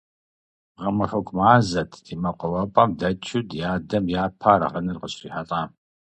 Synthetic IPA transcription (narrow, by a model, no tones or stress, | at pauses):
ʁɐmɨħʊkʷʰmaːzɐtʰd̥iːmɐqʷɔwɐpʼɐmdɐt͡ʃʰɪdjaːdɐmjaːpʰaːɾɐ̰ʁɐnɨrqəɕʼiːħɐtʼaː